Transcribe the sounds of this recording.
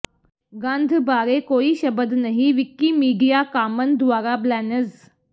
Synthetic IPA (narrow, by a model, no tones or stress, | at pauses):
ɡãnd̪ʱbaɾekoiːɕəbəd̪nəɦiʋikːiːmiɖijakamənd̪ʋaɾablænəd͡z